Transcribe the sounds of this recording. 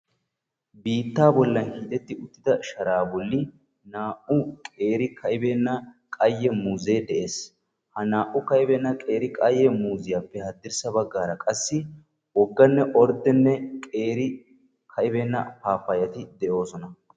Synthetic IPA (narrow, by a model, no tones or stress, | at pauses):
biːt̪ːaːbɔlːɐnhiːt̪ɛt̪ːɪʊt̪ːɪd̪ɐʃɐɾaːbɔlːɪ | naːʔʊkʼe̞ːɾɪkʰɐʔɪbeːnːɐ | kʼɐjːɛmuːzeːd̪ɛʔe̞ːs | hɐnaːʔʊkɐɪbɛːnːɐkʼe̞ːɾɪkʼɐjːɛmuːzɪjaːpːɛhɐd̪ːɪɾsɐbɐɡːaːɾɐkʼɐsːɪ | wɔɡːɐnːɛʔɔɾd̪ɛnːɛkʼe̞ːɾɪ | kʰɐʔɪbeːnːɐ̰paːfːɐjɐt̪ɪd̪ɛʔo̞ːsɔnɐ